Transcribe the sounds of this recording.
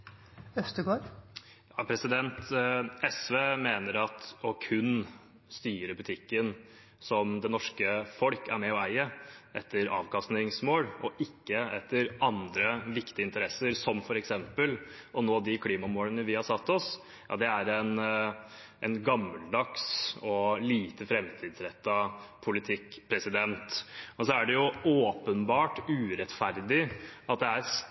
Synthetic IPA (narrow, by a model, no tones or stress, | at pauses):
œst̪əɡoːɾ | jɑːpʰɾɛsɪd̪ɛnt̪ɛsʋeːmeːnəɾɑt̪ɔkʰʉn | st̪yːɾəbʉt̪ʰɪkːən | sɔmd̪ɛnɔʂkəfɔlkæɾmɛɔæɪəʔɛt̪ʰːəɾɑ̰ːʋkɑst̪nɪŋsmoːlʔɔʔɪkːəɛt̪ʰːəɾɑnd̪ɾəʋɪkt̪ɪɪnt̪əɾɛsːəɾsɔmfɔɾɛksɛmpəlɔnoːd̪ɪkʰliːmɑmoːlənəʋɪhɑɾsɑt̪ːɔs | jɑ̰ːd̪ɛæɾɛn | ʔɛnɡɑməld̪ɑksɔliːt̪əfɾɛmt̪ʰiːd̪sɾɛt̪ːɑpʰʊlɪt̪ʰɪkːpʰɾɛsɪd̪ɛnt̪ɔsɔæɖɛjʊoːpənbɑːʈʉːɾɛt̪fæɾd̪ɪʔɑt̪̚d̪ɛæɾs